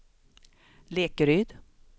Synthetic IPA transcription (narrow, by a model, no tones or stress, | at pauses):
leːkəɾyːd̪